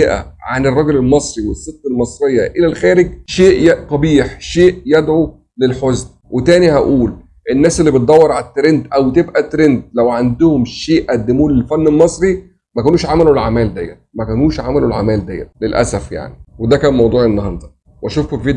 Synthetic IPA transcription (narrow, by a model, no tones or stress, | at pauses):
eʔæ̰ʕanerˤːɑɡlelmɑsˤɾiwesːet̪qelmɑsˤɾejːɑʔelælxæːɾeɡ̚ʃeːʔjæʔt̪ˤɑbiːħʃeːʔjæd̪ʕu | lelħozn | wʔet̪æːnihæʔuːl | ʔenːæːselːibet̪̚d̪ˤɑwːɑɾˤʕalæt̪ːɾend̪ʔæwt̪ebʔæt̪ːɾend̪̚læwʕand̪ʊhomʃeːʔʔæd̪ːemuːnlelfænːelmɑsˤɾi | mækæːnuːʃʕamælulʕamæːld̪æjːænmækæːnuːʃʕamælulʕa̰mæːld̪æjːæ̰nlelʔæ̰sæfja̰ʕniwed̪ækæːnmɑwd̪ˤuːʕʔenːɑhɑnd̪ˤɑ | wʔæʃuːfobved̪